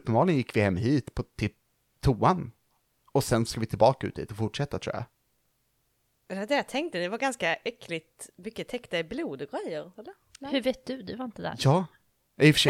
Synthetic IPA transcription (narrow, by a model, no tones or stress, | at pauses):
pːəmbɑːlɪŋjɪkːvɪhɛmːɦiːt̪pʰɔt̪ʰɪ | t̪ʰuːan | ɔsɛnsskavɪt̪ʰɪlbɑːkaʉ̰ːt̪hḭːt̪ɔfʊʈʂɛt̪ːat̪ʰɾṵːja̰ | d̪ɛvad̪ɛjat̪ʰɛŋkt̪əd̪ɛvaɾɡanskaʔɛkːlɪt̪mʏkːət̪ʰɛkt̪aɪbluːd̪ɔɡɾɛjːəɾɛlːə | hɵveːt̪̚d̪ɵd̪ɵvaɾɪnt̪əd̪æ̰ɾjɑː | ɪfə̥ʂɛ